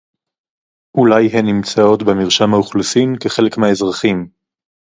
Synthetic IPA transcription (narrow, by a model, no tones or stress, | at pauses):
ʔulajɦenːimt͡sao̞tbemiʁʃamhauχlusimkeχe̞le̞kmeaezʁaχim